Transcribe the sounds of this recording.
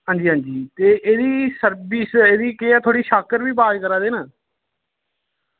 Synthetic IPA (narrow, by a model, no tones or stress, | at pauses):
ɦãːnd͡ʒiːɦãːnd͡ʒiːt̪eːʔeːd̪iːsəɾbiseːd̪iːkeaːt̪ʰoːɽiːʃaːkəɾʋiːbaːd͡ʒkəɾãːd̪eːnaː